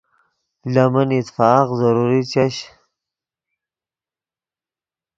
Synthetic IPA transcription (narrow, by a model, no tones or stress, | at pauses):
lamanit̪fɑːqzaɾuɾit͡ɕaɕ